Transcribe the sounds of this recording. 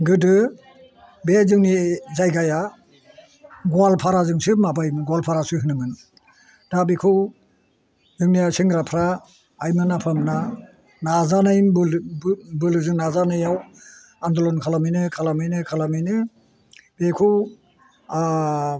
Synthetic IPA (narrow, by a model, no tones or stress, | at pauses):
ɡɯdɯ | bezɯŋnizajɡaja | ɡualpʰaɾazɯŋsɯmabajɡwalpʰaɾasɯɦɯnɯmɯn | dabikʰɯ | zɯŋnijasiŋɡɾapʰɾa | ajmɯnapʰamna | nazanajb | bɯlɯzɯŋnazanɯjaw | andɔlɔnkʰalamɯjnɯkʰalamɯjnɯkʰalamɯjnɯ | b̥ekʰuw